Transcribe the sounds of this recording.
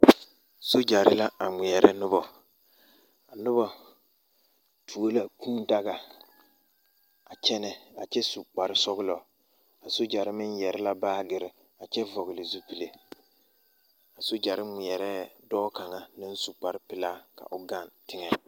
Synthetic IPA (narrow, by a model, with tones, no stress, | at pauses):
so˦d͡ʒa˨ɾɪ˦la˦a˨mɪ˨ɛ˨ɾʔɛ˦nʊ˦bɔ˨ | a˨nʊ˦ba˨ | tʰu˨o˦la˨kũː˦n˦da˦ɣa˨ | a˨t͡ʃɛ˦nɛ˦a˨t͡ʃɛ˦su˨k͡pa˨ɾɪ˦sɔ˦ɣɪ˦lɔ˨ | a˨so˦d͡ʒa˨ɾɪ˦mɪ˦njɛ˨ɾɛ˦la˦baː˦ɡɪ˨ɾɪ˨ | a˨t͡ʃɛ˦vɔ˨ɣɪ˨lɪ˨zu˦pi˨le˨ | a˨so˦d͡ʒa˨ɾɪ˦mɪ˨ɛ˨ɾɛ˦dɔː˦ka˨ŋa˦nɪ˦n˦su˨k͡pa˨ɾɪ˦pɪ˨laː˦ka̰˨ʔʊ˨ɡa˦˨ntɪ˦ŋɛ˨